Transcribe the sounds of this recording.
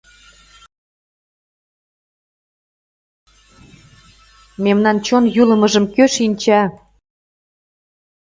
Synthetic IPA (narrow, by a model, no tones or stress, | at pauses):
memnɑnt͡ɕonjulɤ̆mɤ̆ʒə̆mkøʃinʲt͡ɕɑ